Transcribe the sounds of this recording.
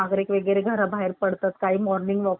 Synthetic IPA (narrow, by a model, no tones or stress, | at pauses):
aɡɾikʋeɡɾeɡʱəɾabʱaɦeɾpəɽt̪at̪kaɦiːmɔɾnĩŋɡʋɔ